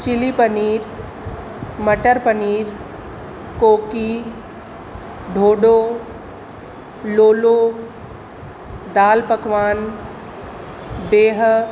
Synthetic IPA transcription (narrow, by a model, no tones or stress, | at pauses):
t͡ʃɪlipəniːɾ | mɐʈəɾpəniːɾ | koːki | ɖʱoːɖoː | loːloː | d̪aːlpɐkʋaːn | beːɦ